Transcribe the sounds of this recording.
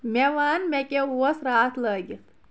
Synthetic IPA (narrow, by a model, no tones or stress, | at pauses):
mɛʋaːnmekeuəsɾaːt̪ʰləːɡi